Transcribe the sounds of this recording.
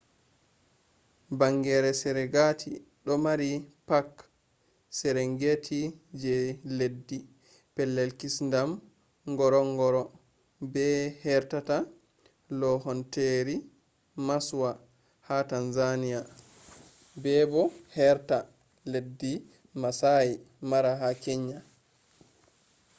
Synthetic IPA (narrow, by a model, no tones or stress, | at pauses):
baŋɡɛɾɛsɛɾɛɡatʰi | ɗɔmaɾipak | sɛɾɛŋɡetʰid͡ʒɛledːi | pɛlːɛlkisndam | ŋɡɔɾɔŋɡɔɾɔ | bɛhɛɾtata | lɔhɔnteɾi | maswa | hatanzanija | bɛːbɔhɛɾta | ledːi | masaji | maɾaɦakeɲːa